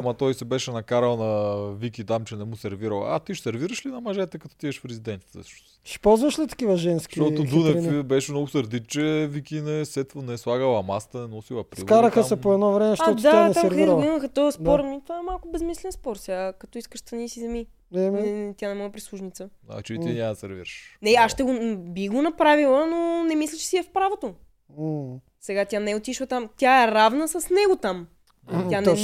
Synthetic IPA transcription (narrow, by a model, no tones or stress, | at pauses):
mɐt̪ɔjsɛbɛʃɛnɐkaɾəlˠnɐvikit̪amt͡ʃɛnɛmusɛɾviɾəlˠa̰t̪iʃsɛɾviɾəʃlinɐmɐʒɛt̪ɛkɐt̪ɔ̥t̪iɛʃfɾɛzid̪ɛnt̪i̥t̪ɛ̰̥ʃo | ʃi̥pɔlˠzvɐʃlit̪ɐ̥kivəʒɛnskit̪ɔt̪ʊd̪unɛfbɛʃɛmnɔɡʊsɐɾd̪it̪t͡ʃɛvikinɛsɛt̪vənɛslˠaɡəlˠɐmast̪ɐnɛnɔsilˠɐpɾiskaɾəxəsɛpoɛd̪nɔvɾɛmɛʃtɔt̪td̪aanɛsaɛɾviɾəlˠiməxət̪ɔəsdp̪ɔɾmit̪vaɛmalˠkʊbɛzmislɛnspɔɾsʲjakɐt̪ɔiskəʃt̪ɐnisizɛmi | ɛɛt̪janɛmɔɛpɾislˠuʒnit̪sə | ɐ̰t͡ʃɛiiɲʲamd̪ɐsɛ̰ɾvḭɾʃnɛaʃt̪ɛɡobiɡonɐpɾavilˠənonɛmislʲət͡ʃɛ̥siɛfpɾavot̪o | sɛɡat̪ʲjanɛot̪iʃlˠət̪amt̪ʲjaɛɾavnəsəsnɛɡot̪am | t̪janɛ